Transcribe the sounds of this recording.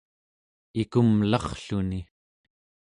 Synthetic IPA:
ikumlɑχɬuni

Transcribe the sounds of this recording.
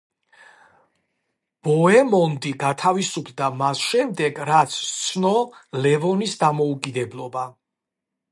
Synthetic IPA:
b̥ɔɛmɔnd̪iɡat̪ʰavisupʰd̪amasʃɛmd̪ɛɡɾat̪sʰt̪sʰnɔlɛvɔnisd̪amɔukʼid̪ɛblˠɔba

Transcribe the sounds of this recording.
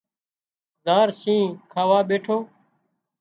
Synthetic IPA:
d̪aːɾsĩːkʰaːʋaːɓeːʈʰoː

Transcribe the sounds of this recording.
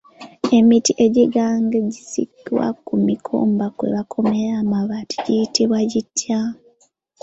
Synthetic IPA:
e̞mitiʔe̞ɟiɡaːŋɡeɟisḭkwa̰kumikʰo̰ːmbakwe̞̰βakʰo̞me̞ɾaːmaβati̥ɟitiβwaɟitʰːja

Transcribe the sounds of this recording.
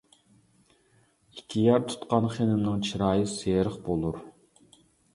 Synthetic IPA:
ikʲʰːijɑɾt̪ʰu̥t̪qɑnχenɪmnɨŋt͡ʃʰiɾɑːjəseːɾəχbolˠuɾ

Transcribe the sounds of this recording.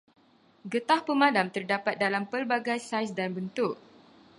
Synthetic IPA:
ɡət̪ahpəmãdamt̪ərdapat̪̚dalampəlbaɡajsajsdanbənt̪ʊk̚

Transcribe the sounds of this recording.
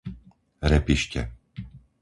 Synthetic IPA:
ɾɛpiʃcɛ̰

